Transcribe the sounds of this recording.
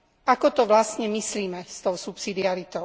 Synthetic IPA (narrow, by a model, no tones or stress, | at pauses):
ʔakɔt̪ɔʋlast̪ɲɛmisliːmɛst̪ɔʊsupsid̪iaɾit̪ɔʊ